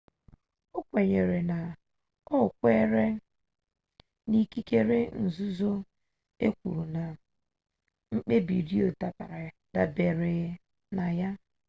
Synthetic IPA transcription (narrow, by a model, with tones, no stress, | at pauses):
o˦kʷe˨ɲe˨ɾe˨na˨ | ɔ˦˨kʷe˦ɾe˦ | ni˦ki˦ke˦ɾe˦n̩˨zu˦zo˦ | ḛ˦kʷṵ˨ɾu˨na˨ | ŋ͡m̩˦k͡pe˦bḭ˨ɾi˦o˨ta˨pa˨ɾa˨da˨be˨ɾe˨ | na˨ja˦